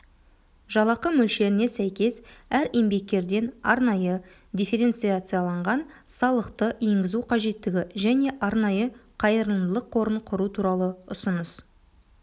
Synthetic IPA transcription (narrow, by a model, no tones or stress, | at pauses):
ʒɑlˠɑqəmɵlʃe̞ɾɪne̞sæjkʲe̞sæɾe̞mbe̞k̚t̪ʲe̞ɾd̪e̞nɑ̰ɾnɑjə | d̪ʲijfe̞ɾe̞nt̪sɨjat̪sɨjalˠɑɴʁɑnsɑlˠəqt̪əe̞ŋɡʲɪzuqʰɑʒe̞t̪ːɪɡʲɪʒæne̞ʔɑɾnɑjəqʰɑjəɾlˠənd̪əlˠəqʰo̞ɾəɴqʰʊɾut̪ʰuɾɑlˠəʊsənəs